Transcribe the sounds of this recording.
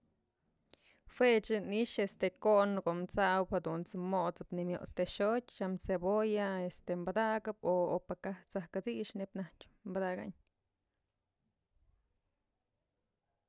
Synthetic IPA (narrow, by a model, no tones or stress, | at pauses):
fwet͡ʃɨniʃest̪ekonkoʔmt͡saʔwphad̪unt͡sɨmot͡sɨ̥pnimjoʔt͡st̪eʂot̪ʲt͡ʃamsebojaest̪embad̪aɡɨp̚oopakaht͡sahkat͡siʔʃnepnaht͡ʃ | mbad̪aɡa̰ʔɲ